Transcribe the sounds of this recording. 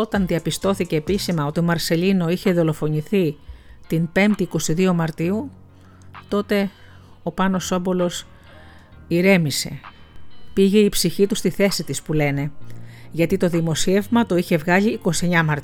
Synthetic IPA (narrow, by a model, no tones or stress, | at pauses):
o̞t̪ɐnðiɐpist̪o̞θice̞ːpisimɐo̞t̪io̞mɐɾse̞ʎino̞içe̞ðo̞lo̞fo̞niθit̪inpe̞mt̪iːko̞siðio̞mɐɾt̪iu | t̪o̞t̪e̞ | o̞pɐno̞so̞bo̞lo̞s | iɾe̞mise̞̰ | piʝe̞ipsiçit̪ust̪iθe̞sit̪ispule̞ne̞ʝɐt̪it̪o̞ðimo̞sie̞vmɐt̪o̞içe̞vɣɐʎiːko̞sieɲɐmɐɾt̪